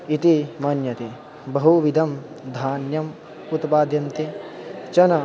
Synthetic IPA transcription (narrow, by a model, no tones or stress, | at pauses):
it̪imɐnjɐt̪i | bɐɦuʋid̪ʱɐm | d̪ʱaːnjɐm | ut̪paːd̪ʱjɐmt̪it͡ʃɐnɐ